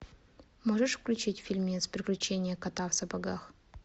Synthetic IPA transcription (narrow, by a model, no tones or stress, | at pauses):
moʐəʂfklʲʉt͡ɕitʲfʲilʲmʲɪspɾʲɪklʲʉt͡ɕenʲɪjəkɐt̪afsɐpɐɡax